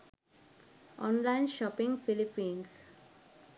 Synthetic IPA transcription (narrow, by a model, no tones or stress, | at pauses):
ʔɔ̃ːnlaɪ̃nʃɔpĩŋɡfilipĩːns